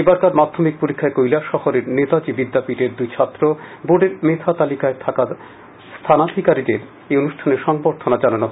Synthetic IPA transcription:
ebaɾkaɾmad̪ʱːomik̚poɾikʰːaekojlaʃɔhoɾeɾnet̪ad͡ʑibid̪ːapiʈeɾd̪ujt͡ɕʰat̪ːɾoboɖeɾmet̪ʰat̪alikaet̪ʰaka | st̪ʰanad̪ʱikaɾid̪eɾ | eonuʃʈʰaneɾʃɔŋboɾt̪ʰonad͡ʑananoɦ

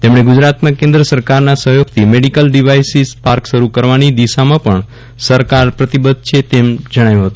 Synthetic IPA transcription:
t̪emɳeɡud͡ʒɾat̪mãkẽnd̪ɾəsəɾkaɾnasəɦjoɡ̚t̪ʰimeɽikəlɖiʋajsizpaɾkʃəɾukəɾʋanid̪iʃamãpəɳ | səɾkaɾpɾət̪ibəd̪̚ʱt͡ʃʰet̪emd͡ʒəɽ̃ajũɦət̪ũ

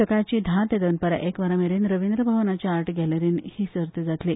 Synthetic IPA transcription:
əkat͡ɕiːd̪ʱãt̪ed̪ənpəɾa̰ʔekʋəɾameɾiːnɾəʋind̪ɾəbʱəʋnat͡ɕaaɾʈɡʱɛleɾiːnhiːsəɾt̪ed͡zat̪liː

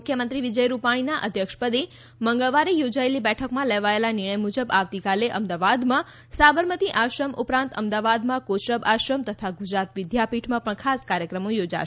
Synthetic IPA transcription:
mukʰjəmənt̪ɾiʋid͡ʒəjɾupaɽ̃inaʔəd̪ʱjəkʃpəd̪i | məŋɡəɭʋaɾejod͡ʒaelibɛʈʰəkmãleʋaelanɪɳ̃əjmud͡ʒəbaʋt̪ikaleʔəmd̪aʋad̪mã | sabəɾmət̪iʔaʃɾəmʔupɾãnt̪əmd̪aʋad̪mãkoʃɾəbaʃɾəmt̪ət̪ʰaɡud͡ʒɾat̪ʋɪd̪ʱjapiʈʰmãpəɳkʰaskaɾjəkɾəmojod͡ʒa̰

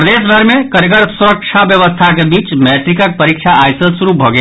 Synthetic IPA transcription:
pɾɐd̪eːʃbʱəɾmẽkɐɾəɡəɾsuɾəkʃʰaʋjɐʋəst̪ʰakebiːt͡ʃmɛːt̪ɾɪkək̚pɐɾikʃʰaaːjsəsuɾubʱoːɡɛ

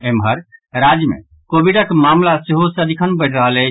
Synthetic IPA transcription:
emɦəɾɾad͡ʒjəmḛ | kobiɖəkmamlaseɦosəd̪ʱikʰənbəʈɾəɦəlɛ

